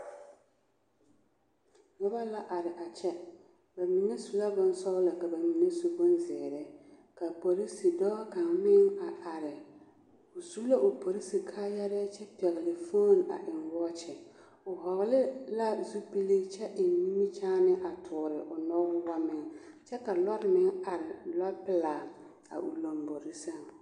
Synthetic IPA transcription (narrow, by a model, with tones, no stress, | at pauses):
ŋɔ˦ba˦la˦ʔa˨ɾɪ˨ʔa˨t͡ʃɛ˦ | ba˨mi˨ŋɛ˦su˨la˦bɔ˨n˦sɔ˦ɣla˨ka˨ba˨mi˨ŋe˦su˨bo˦n˦zɛː˨ɾɛ˦ | ka˨po˨ɾi˦si˨dɔː˦ka˨ŋmɪ˦ŋa˨a˨ɾɪ˨ | ʊ˨su˦la˦ʔʊ˨po˨ɾi˦si˨kʰaː˦ja˦ɾɛ˦t͡ʃɛ˦pɛ˨ɣɪ˨lɪ˨fo˦˨na̰˨ʔɪ˨ŋwɔ˦t͡ʃɪ˨ | ʊ˨ɦɔ˨ɣlɪ˦la˦zu˦pi˦li˦t͡ʃɛ˦ʔɪ˨n˦ni˦mi˦t͡ʃaː˦nɪ˦ʔa˨tʰʊː˨ɾɪ˨ʔʊ˨nɔ˦ɡʊ˦wa˦mɪ˦ŋt͡ʃɛ˦ka˨lɔ˦ɾɪ˦mɪ˦ŋa˨ɾɪ˨lɔ˦pɪ˦laː˨ | a̰˨ʔṵ˨lo˨mbo˨ɾi˦sa˦˨ŋ